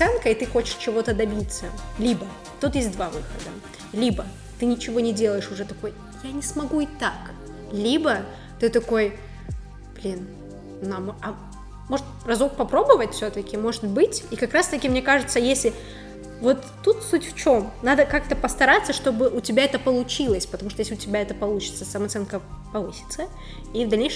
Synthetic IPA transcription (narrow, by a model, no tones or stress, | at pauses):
sɛnkəɪt̪ɨxo̞t͡ɕɪ̥ʂt͡ɕɪvo̞t̪əd̪ɐbʲit̪səlʲibə | t̪ut̪jes̬ʲt̚ʲd̪vavɨxəd̪ə | lʲibə | t̪ɨnʲɪt͡ɕɪvo̞nʲɪdʲe̞lˠəjɪʂʊʐɛt̪ɐko̞j | janʲɪsmɐɡuit̪ak | lʲibə | t̪ɨt̪ɐko̞j | b̥lʲin | namoɐ | mo̞ʐɨt̪rɐzuk̚pɐpɾo̞bəvətʲfsʲot̪əkʲɪmo̞ʐɨt̪̚bɨtʲikɐkɾast̪ɐkʲɪmnʲe̞kaʐɨt̪səjesʲlʲɪ | vo̞t̪ːut̪sutʲft͡ɕo̞mnad̪əkak̚t̪əpəst̪ɐɾat̪sːəʂt̪o̞bɨʔʊtʲɪbʲaɛt̪əpəlˠʊt͡ɕilˠəsʲpət̪ɐmuʂt̪ojeslʲʊtʲɪbʲaɛt̪əpɐlˠut͡ɕɪ̥t̪səsɐməɐt̪sɛnkəpɐvɨsʲɪ̥t̪sə | ivd̪ɐlʲnʲejʂ